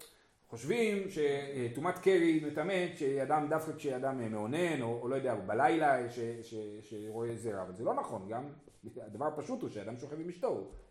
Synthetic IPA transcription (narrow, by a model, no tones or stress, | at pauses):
χo̞ʃvimʃe̞tumat̪keʁimet̪ame̞tʃeadamd̪afkakʃead̪ammeone̞noːlo̞jo̞d̪eaubalajlaʃeʃeʃeʁo̞e̞zeʁa̰avalzelo̞naχo̞nɡam | ad̪avaʁpaʃutuʃead̪amʃo̞χefimiʃtou